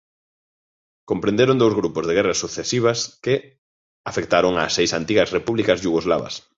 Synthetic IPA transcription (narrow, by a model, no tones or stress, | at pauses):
kompɾend̪eɾõnd̪owzɣɾupozðeɣɛrɐsuθesiβ̞ɐskɪ | afek̚t̪aɾoŋa̰ːsːejsant̪iɣɐsrepuβlikɐzʎuɣozla̰βɐ̰s